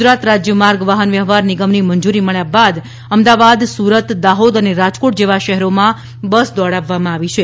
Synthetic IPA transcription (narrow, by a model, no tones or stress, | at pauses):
ɾat̪ɾad͡ʒjəmaɾɡʋaɦənʋjəɦʋaɾnɪɡəmniməɲd͡ʒuɾiməɭjabad̪ | əmd̪aʋad̪suɾət̪d̪aɦod̪əneɾad͡ʒkoʈ̚d͡ʒeʋaʃɛɦɛɾomã | bəsd̪ɔɽaʋːamãaʋit͡ʃʰe